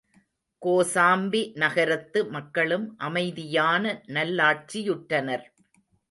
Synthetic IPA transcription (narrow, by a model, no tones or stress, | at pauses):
koːsaːmbinɐɣɐɾɐt̪ːɯmɐkːɐɭɯmʔɐmɐɪðɪjaːnɐnɐlːaːʈ̚t͡ʃijʊʈːɐnɐɾ